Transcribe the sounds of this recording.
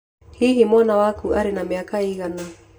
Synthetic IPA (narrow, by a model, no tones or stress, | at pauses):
hiɦimɔnawakuʔaɾenameakaiɣana